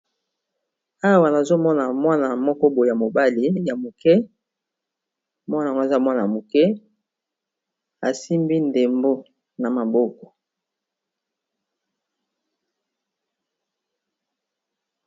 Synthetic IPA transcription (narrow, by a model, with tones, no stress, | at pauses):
a˦wa˨na˨zo˦mɔ˦na˨mwa˦na˨mɔ˦kɔ˦bo˨ja˨mo˨ba˦li˨ja˨mo˨kɛ˦ | mwa˦na˨ŋ˦ɡo˦˨za˦˨mwa˦na˨a˨mo˨kɛ˦ | a˨si˦mbi˦nde˨mbo˦ | na˨ma˨bo˦kɔ̥˨